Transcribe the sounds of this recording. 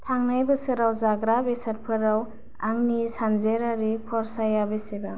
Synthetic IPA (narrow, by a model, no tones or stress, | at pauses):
tʰaŋnajbɯsɯɾawzaɡɾabesaɾpʰɯɾaw | aŋnisanzeɾaɾipʰɔɾsajabeseba